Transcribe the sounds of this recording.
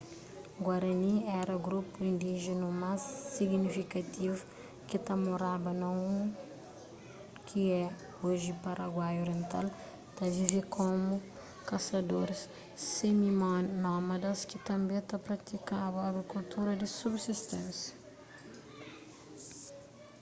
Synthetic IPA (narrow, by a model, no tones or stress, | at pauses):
ɡwɐɾɐniɛɾɐɡɾupuĩnd̪iʒenumasːiɡnifikɐt̪ivu | kɪt̪amoɾabɐnɐ̃ũ | kʰiɛ | oʒɪpɐɾɐɡwajoɾiẽnt̪al | t̪ɐvivekʰõmu | kɐsɐd̪oɾɪs | emimnɔmɐd̪ɐskɪt̪ɐ̃mbẽt̪ɐpɾɐt̪ikabɐɐɡɾikult̪uɾɐd̪ɪsubsist̪ẽnsjɐ̥